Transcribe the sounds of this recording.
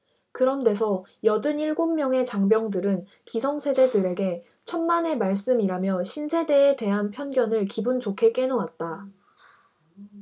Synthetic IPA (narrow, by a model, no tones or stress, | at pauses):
kɯɾʌnde̞s̬ʰʌjʌdɯniɭɡomːjʌŋe̞t͡ɕaŋbjʌŋdɯɾɯn | kisʰʌŋsʰe̞de̞dɯɾe̞ɡe̞ | t͡ɕʰʌnmane̞maɭs͈ɯmiɾamjʌɕʰinsʰe̞de̞ːte̞ɦanpʰjʌnɡjʌnɯɭkibunt͡ɕokʰe̞k͈e̞nowat̚t͈a